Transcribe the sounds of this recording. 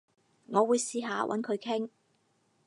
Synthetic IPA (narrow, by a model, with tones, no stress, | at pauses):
ŋɔː˨˧wuː˨˧jsiː˧ɦaː˨˧wʔɐ̰˨˥nkʰɵ˨˧ɥkʰɪ˥ŋ